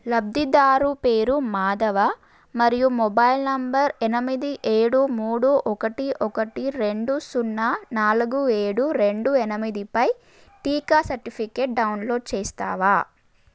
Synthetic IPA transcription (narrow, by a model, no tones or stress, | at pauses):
lɐb̚d̪id̪aːɾupe̞ːɾumaːd̪ɐʋɐ | mɐɾijumɔbaːjilnɐmbɐɾɛnɐmid̪iʔeːɽumuːɽuʔɔkɐʈiʔɔkɐʈiɾe̞ɳɖusunːanaːluɡueːɽuɾe̞ɳɖuɛnɐmid̪ipɐj | ʈiːkaːsɐɾʈipʰikeːʈ̚ɖɐwnlo̞ːɖ̚t͡ʃeːst̪a̰ːʋaː